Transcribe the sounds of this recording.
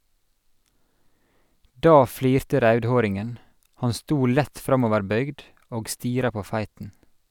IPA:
ˈdɑː ˈfliːɾtə ˈɾœʉdˌhoːɾɪŋən ˈhɑn ˈstuː ˈlæt ˈfɾɑmɔʋəɹˌbœʏɡd ˈoːɡ ˈstiːɾɑ ˈpoː ˈfæɪtn̩

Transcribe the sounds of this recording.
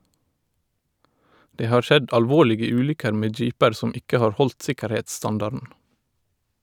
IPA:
ˈdeː ˈhɑːɹ ˈʃɛd ʔɑlˈʋoːlɪɡə ˈʉːlʏkəɾ ˈmeː ˈd͡ʒiːpəɾ ˈsɔm ˈɪkə ˈhɑːɹ ˈhɔlt ˈsɪkəɾheːtsˌstɑndɑɾdn̩

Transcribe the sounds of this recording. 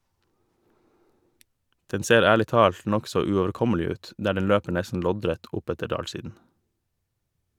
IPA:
ˈdɛn ˈseːɾ ˈæːɭɪ ˈtɑːlt ˈnɔksɔ ʉoːʋəɾˈkɔməlɪ ˈʉːt ˈdæː ˈɖɛn ˈløːpə ˈɳæsən ˈlɔdɾæt ˈʔʊˌpætə ˈɖɑːlˌsiːdn̩

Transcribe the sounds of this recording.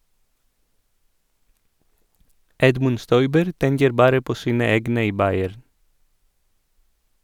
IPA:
ˈɛdmʉn ˈstɔʏbəɾ ˈtɛŋkəɾ ˈbɑːɾə ˈpoː ˈsiːnə ˈeːɡnə ˈiː ˈbɑɪæɾn

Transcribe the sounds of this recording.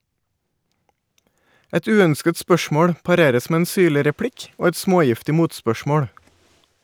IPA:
ˈɛt ˈʉːœnskət ˈspœʃmoːɽ pɑˈɾeːɾəs ˈmeː ˈeːn ˈsyːɭɪ ɾɛˈpɽɪk ˈoː ˈɛt ˈsmoːˌjɪftɪ ˈmuːtspœˌʃmoːɽ

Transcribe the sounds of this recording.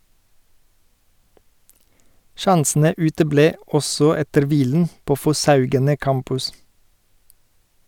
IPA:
ˈʃɑnsn̩ə ˈʉːtəˌbleː ˈɔsɔ ˈɛtəɾ ˈʋiːln̩ ˈpoː fɔˈsɑʉɡənə ˈkɑmpʉs

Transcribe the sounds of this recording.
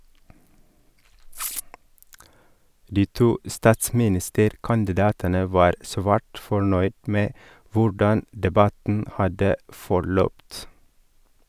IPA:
ˈdiː ˈtuː ˈstɑːtsmɪˌnɪstəɾkɑndɪˌdɑːtənə ˈʋɑːɾ ˈsʋæːʈ fɔˈɳœʏd ˈmeː ˈʋʊɖɑn dɛˈbɑtn̩ ˈhɑdə fɔˈɭœpt

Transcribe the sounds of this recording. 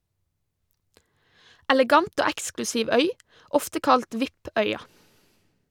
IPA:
ɛlɛˈɡɑnt ˈoː ˈæksklʉsiːʋ ˈœʏ ˈɔftə ˈkɑlt ˈʋɪp ˈœʏɑ

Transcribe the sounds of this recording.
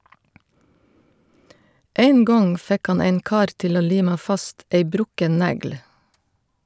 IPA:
ˈæɪn ˈɡɔŋ ˈfɛk ˈhɑn ˈæɪn ˈkɑːɾ ˈtɪl ˈoː ˈliːmɑ ˈfɑst ˈæɪ ˈbɾʊkən ˈnæɡl̩

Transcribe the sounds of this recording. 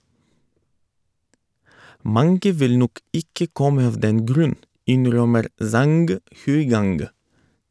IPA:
ˈmɑŋɡə ˈʋɪl ˈnɔk ˈɪkə ˈkɔmə ˈɑʋ ˈdɛn ˈɡɾʉn ˈɪnˌɾœməɾ ˈzɑŋɡ hʉɪˈɡɑŋɡ

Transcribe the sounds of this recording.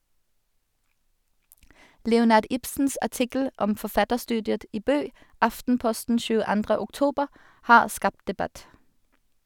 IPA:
ˈlɛʊˌnɑːʁd ˈɪpsn̩s æˈʈɪkl̩ ˈʔɔm fɔˈfɑtəʁˌstʉːdɪət ˈiː ˈbøː ˈɑftn̩ˌpɔstn̩ ʃʉːəˈɑndʁə ʊkˈtuːbəʁ ˈhɑːʁ ˈskɑpt dɛˈbæt

